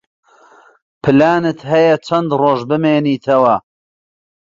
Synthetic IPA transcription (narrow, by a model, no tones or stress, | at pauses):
pʰɨlaːnɨt̪ɦɐjɐt͡ʃʰɐnd̪roːʒbɨmeːniːt̪ʰɐwɐ